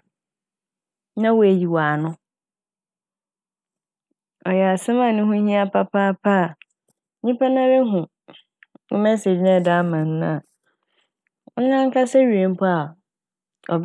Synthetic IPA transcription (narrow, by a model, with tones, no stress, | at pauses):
nã˦wʊ˨æ˨ji˨waː˨nʊ̃˦ | ɔ˨jɛ˨a˨sɪ˦mã˨nʊ̃˦ɦʊ̃˦hĩ˦a˦pʰa˦pʰa˦pʰa˦˨ | ɲĩ˦pʰa˦nã˦ɾe˦ɦũ˨ | wʊ̰˦mɛ˦se˨d͡ʑnɛ̃˦˨da˦mã˨n˦nã˨˦ | ã˦ŋ˦kʰa˦sɛ˦ɥi˨e˨m˦pʰɔ˦a˨ | ɔ̰˨b